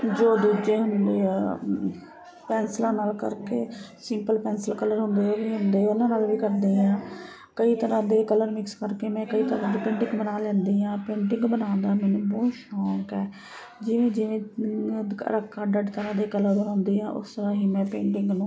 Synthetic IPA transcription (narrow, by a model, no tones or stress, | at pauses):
d͡ʒoːd̪uːd͡ʒeːɦʊnd̪eː | pɛːnslãːnaːlkə̰ɾkḛːsɪmpəlpɛːnslkələɾɦʊnd̪eːobiːɦʊnd̪eːʊnãːnaːlʋiːkəɾd̪eːɦãː | kəiːt̪əɾãːd̪eːkələɾmɪkskəɾkeːmɛ̃ːkəiːt̪əɾãːd̪eːpẽːɳʈɪ̃ŋɡbənaːlɛ̃ːnd̪eːɦãːpeːɳʈɪ̃ŋɡbənãːnd̪aːmɛːnũːbɔːʃɔːkɛː | d͡ʒɪʋẽːd͡ʒɪʋẽː | ɾəkʰːãːɖəɖt̪əɾãːd̪eːkələɾbəɾʊ̃ːnd̪eːɦãːʔʊ̰st̪əɾãːɦiːmɛ̃ːpeːɳʈɪŋɡnũː